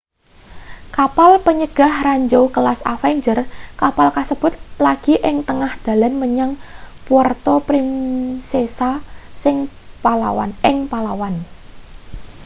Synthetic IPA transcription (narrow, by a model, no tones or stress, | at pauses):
kapalpəɲəɡ̥a̤hraɲd͡ʒowkəlasa̰fɛɲd͡ʒərkapalkasəb̥ʊ̤t̪̚laɡ̥iʔɪŋt̪əŋahd̪̥a̤lanməɲaŋpuwərt̪ɔpɾɪnsesasɪŋ | pala̰wa̰nɪŋpalawan